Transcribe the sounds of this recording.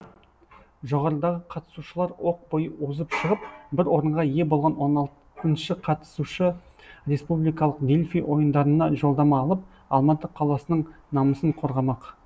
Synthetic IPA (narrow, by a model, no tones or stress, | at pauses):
ʒo̞ʁɑɾəd̪ɑʁəqʰɑt̪ə̥suʃəlˠɑɾwo̞q̚bojəwozəpʃəʁəp̚bɪɾwo̞ɾəɴʁɑje̞bo̞lˠʁɑnwo̞nɑlˠ | ənʃɪqʰɑt̪ə̥suʃə | ɾʲe̞spublijkɑlˠəqd̪e̞lʲfijwʔo̞jənd̪ɑɾənɑʒo̞lˠd̪ɑmɑːlˠəp̚ | ɑ̰lˠmɑt̪ːəqʰːɑlˠɑsənəɴnɑməsəɴqʰo̞ɾʁɑmɑq